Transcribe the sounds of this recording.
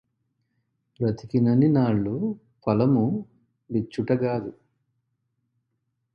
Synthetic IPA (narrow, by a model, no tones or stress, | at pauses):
pɾɐt̪ikinɐninaːɭːu | pɐlɐmu | bit͡ʃːuʈɐɡaːd̪u